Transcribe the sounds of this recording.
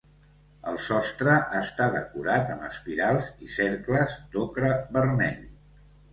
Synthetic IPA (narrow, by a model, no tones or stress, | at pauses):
əlˠsɔst̪ɾəʔast̪aðəkuɾat̪əmə̰spiɾalˠziseɾkləzd̪okɾəβəɾmɛ̰ʎ